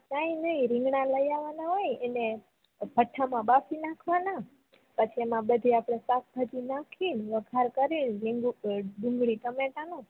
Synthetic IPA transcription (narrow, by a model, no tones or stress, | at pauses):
naĩnəĩɾĩŋɡɳãləjaʋanaɦojɛne | b̥ʱəʈʰːamãbafinakʰʋana | pət͡ʃʰiemãbəd̪ʱiapɽ̃esak̚bʱət̪inakʰinʋəɡʱaɾkəɾinɾiŋuɖũŋɡɭit̪əmeʈanõ